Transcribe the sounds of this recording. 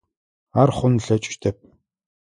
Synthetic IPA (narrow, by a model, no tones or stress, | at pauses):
arχʊnɮeːt͡ɕu̥ʃt̪ʰeːp̚